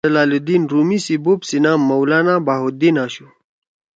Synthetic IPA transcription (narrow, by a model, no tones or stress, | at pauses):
ɐlaːlud̪inɾumisibupsinaːmːɐwlaːnabaːɦud̪inaːɕu